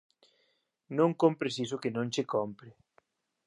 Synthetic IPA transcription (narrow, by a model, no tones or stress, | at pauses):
nõŋkompɾesis̬ʊkɪnõŋt͡ʃekompɾɪ